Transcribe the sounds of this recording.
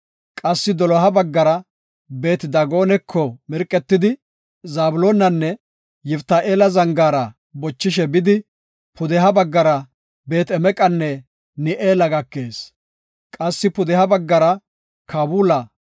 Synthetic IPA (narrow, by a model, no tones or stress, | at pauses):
kʼɐsːɪd̪ɔlɔɦɐbɐɡːɐɾɐ | be̞ːt̪d̪ɐɡo̞ːnɛkʰːɔmɪɾkʼːɛt̪ːɪd̪ɪ | zaːbʊloːnɐnːɛ | jɪft̪ːaːʔeːlɐzɐŋɡaːɾɐ | bɔt͡ʃːɪʃɛbɪd̪ɪ | pʊd̪ɛɦɐbɐɡːɐɾɐ | be̞ːt̪ɛmɛkʼɐnːɛ | nɪʔeːlɐɡɐkːe̞ːs | kʼɐsːɪpʊd̪ɛhɐbɐɡːɐɾɐ | kʰabuːlɐ